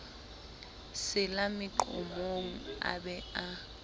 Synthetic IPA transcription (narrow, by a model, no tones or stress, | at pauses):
sɪlamɪǃʊ̰moŋ̩a̰bɛa